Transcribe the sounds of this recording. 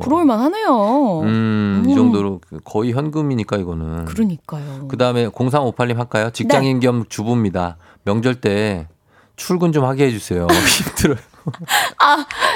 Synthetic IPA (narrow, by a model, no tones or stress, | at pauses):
uɾouɭmanhanejoɯʌŋdoɾokɯkʌiçjʌnɡɯmiɲik͈aiɡʌnɯnkɯɾɯɲik͈ajokɯdaɯme̞koŋs̬ʰaŋopʰaʎːimɦak͈ajot͡ɕik̚t͡ɕaŋinɡjʌmt͡ɕubumɲida | mjʌŋd͡ʑʌɭt͈e̞ | t͡ɕʰuɭɡɯnd͡ʑomhaɡiɦed͡ʑusʰe̞joiipt͈ʰɯɾʌ | a